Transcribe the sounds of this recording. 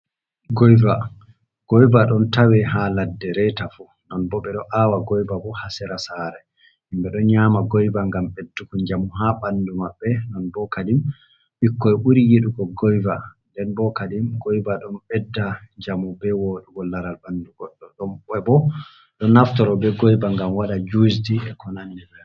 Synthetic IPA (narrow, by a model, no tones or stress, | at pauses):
ɡɔjva | ɡ̥ɔjbaɗɔntawɛhaladːɛɾɛtafu | nɔnbɔɓɛɗɔʔaːwaɡɔjbabɔhasɛɾasaɾɛ | himbɛɗɔɲaːmaɡɔjbaŋɡambɛdːukuɲd͡ʒamuɦaɓandumaɓːɛnɔnbɔkadim | ɓikːɔɛʔuɾijeɗukɔɡɔjvandɛnbɔkadimɡɔjbaɗɔnbɛdːaɲd͡ʒamubɛwoːɗuɡɔlːaɾalbanduɡɔɗːɔɗɔmɛbɔ | ɗɔnaftɔɾɔbɛɡɔjbaŋɡamwaɗad͡ʒusdiɛkʰɔnanːɛbɛ